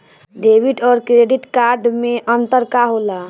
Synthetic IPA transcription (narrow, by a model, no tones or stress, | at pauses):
ɖebiʈɔːɾkɾeɖiʈkaɾɖmeʔənt̪əɾkaɦola